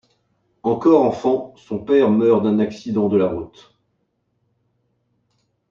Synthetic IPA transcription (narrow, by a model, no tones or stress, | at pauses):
ɑ̃kɔʁɑ̃fɑ̃sɔ̃pɛʁmœʁd̪ɛ̃naksid̪ɑ̃d̪əlaʁut̪